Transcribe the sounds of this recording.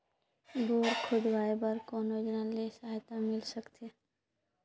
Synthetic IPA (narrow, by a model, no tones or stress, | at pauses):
boːɾkʰʊd̪ʋaːebəɾkɔːnjoːd͡ʒnalesəaːjt̪amɪlsəkt̪ʰeː